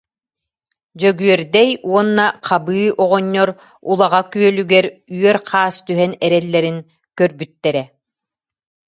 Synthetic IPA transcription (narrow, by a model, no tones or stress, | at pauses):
d͡ʑœɡyœɾd̪ɛjuɔnːaqʰabɯːʔɔʁɔɲːɔɾ | ulˠaʁakyœlyɡɛɾyœɾqʰaːst̪yɦɛnɛɾɛlːɛɾin | kœɾbyt̪ːɛɾɛ